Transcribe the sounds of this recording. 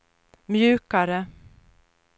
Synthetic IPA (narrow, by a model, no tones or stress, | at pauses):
mjʉ̟ːkaɾə